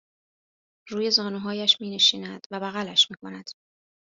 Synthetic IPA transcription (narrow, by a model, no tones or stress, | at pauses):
ruːje̞zɒːnuɦɒːjæʃmiːne̞ʃiːnæd̪̥væbæɣælæʃmiːkʰo̞næd̪̥